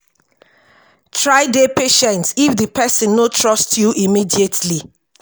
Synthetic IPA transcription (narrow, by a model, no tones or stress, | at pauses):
tʰɹaɪdepeʃɛ̃ntsifðəpʰɛsə̃nːotʰɹɔstʰjuʔimidietʰli